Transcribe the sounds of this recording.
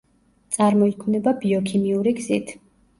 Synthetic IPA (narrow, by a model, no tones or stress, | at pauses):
t̪sʼaɾmɔikʰmnɛbabiɔkʰimiuɾiɡzit̪ʰ